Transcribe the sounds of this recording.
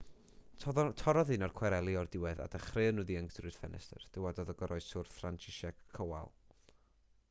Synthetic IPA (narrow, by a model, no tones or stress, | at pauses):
tʰɔɾɔðɨnɔrkʰwɛɾɛlˠiɔrdɪwɛða̰dəχreənuðiəŋkʰdrɨd̥fɛ̰nɛ̰stə̰rd̥əwadɔðəɡɔɾʔɔɨssʊrθfrant͡ʃʰɪʃɛkʰːəwa̰lˠ